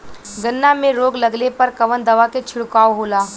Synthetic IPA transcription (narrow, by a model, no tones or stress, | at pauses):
ɡɐnːamẽɾoːɡlɐɡlepɐɾkɐʋənd̪ɐʋaket͡ʃʰɪɽkaːoɦoːlaː